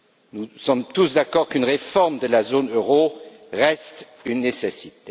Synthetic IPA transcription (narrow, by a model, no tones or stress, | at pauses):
nusɔmt̪usd̪akɔʁkynʁefɔʁmd̪əlazonøʁo | ʁɛst̪ | ynːesesit̪e